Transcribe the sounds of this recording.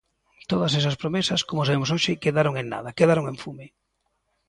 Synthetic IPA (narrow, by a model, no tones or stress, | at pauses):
t̪oðɐsɛsɐspɾomesɐskomos̬aβemos̬oʃɪkeðaɾoŋeŋna̰ðɐkeðaɾoŋẽɱfume